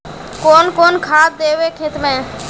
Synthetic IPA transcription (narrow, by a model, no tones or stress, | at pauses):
koːnkoːnkʰaːt̪̚d̪eːʋekʰet̪mẽː